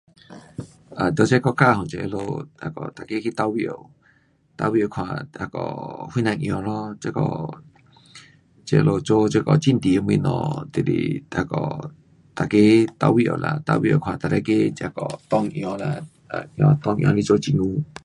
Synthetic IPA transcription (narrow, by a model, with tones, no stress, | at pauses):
ʔa˨d̪o˧˦t͡ʃa˦kɔ˧kaː˦˧˨hɔ˨ŋt͡ʃe˧ʔḛ˧lo˧a˧˨kɔ˨t̪a˨ke˦ki˦t̪a˧wi˧˦ʔo˧˨ | t̪a˧wi˧˨o˨kʰwã˨ha˧˨kɔ̰˨wi˦nã˧ŋʔj̃ɔ̃˧lɔ˦t͡ʃe˧˦kɔ˧˨ | t͡ʃe˧lo˧t͡ʃo˦t͡ʃe˦kɔ˧˨t͡ʃi˦˧˨n˨t̪i˨ə˧m˧ĩ˧nɔ̰̃˨t̪ḭ˧˨ɾḭ˧˨ha˧˨kɔ˨ | t̪a˨ke˦t̪a̰˧wi˧˨ʔo̰˨lʔa̰˨t̪a̰˧wḭ˧o˨kʰwã˨t̪a˨ɾa˧˦ke˦t͡ʃha˧kɔ˨t̪ɔ˦˧ŋʔĩ˧ɔ̃˧la˧˨ | a˨ʔj̃ɔ̃˧t̪ɔ˦˧ŋʔj̰̃ɔ̃˧li˧t͡ʃo˦t͡ʃi˧˨ŋũ˧˦